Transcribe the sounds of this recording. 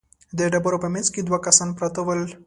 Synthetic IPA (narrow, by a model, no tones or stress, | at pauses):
d̪eɖabəɾopəmenzked̪wakɐsanpɾat̪əwəl